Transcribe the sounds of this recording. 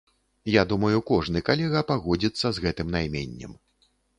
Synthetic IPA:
jad̪umɐjukɔʐnɨkalʲɛɣɐpaɣɔd͡zʲit̪sːɐzɣɛt̪ɨmnajmʲḛnʲːɛ̰m

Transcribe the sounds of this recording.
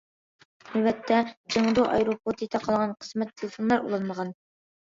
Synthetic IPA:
mɛbɛt̪ʰːɛd͡ʒeŋd̪uʔɑ̰jɾopʰot̪ʰit̪ʰɛqʰɑlˠʁɑnqʰə̥smɛt̪ʰːelˠɪfonlˠɑɾṵlˠɑnməʁɑn

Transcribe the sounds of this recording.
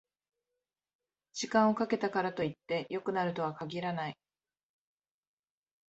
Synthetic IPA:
d͡ʑ̥ikãɰ̃o̞kake̞t̪akaɾat̪o̞it̪ːe̞jo̞kɯ̟naɾɯ̟t̪o̞β̞akaɡʲiɾanai

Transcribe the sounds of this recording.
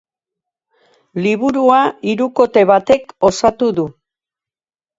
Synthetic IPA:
liβuɾuaiɾuko̞t̪e̞βat̪e̞ko̞sat̪uðu

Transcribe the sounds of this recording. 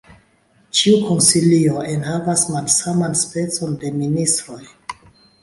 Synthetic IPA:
t͡ʃiukonsilio̞enɦavasmalsamanspe̞t͡so̞nde̞ministɾo̞j

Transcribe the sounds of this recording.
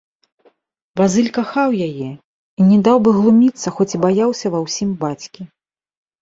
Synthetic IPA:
bazɨlʲkaxawjajɛ | inʲɛd̪awbɨɣlˠumʲit̪sːɐxɔt͡sʲibajawsʲɐvɐwsʲimbat͡sʲkʲi

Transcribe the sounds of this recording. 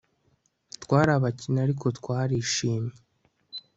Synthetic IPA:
twaːɾaβacinaɾiko̞twaːɾiʃiːmɲe

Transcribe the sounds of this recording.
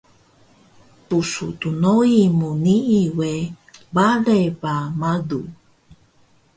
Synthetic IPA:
pusṵt̪unoimuniʔiwe | baðebamadṵ

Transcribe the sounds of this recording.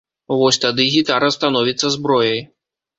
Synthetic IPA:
vɔsʲt̪ad̪ɨɣʲit̪aɾɐst̪anɔvʲit̪sːɐzbɾɔjɐj

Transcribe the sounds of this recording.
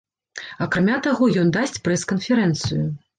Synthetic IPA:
ɐkɾamʲat̪aɣɔjɔnd̪asʲt͡sʲpɾɛskɐnfʲɛɾɛnt̪sɨju

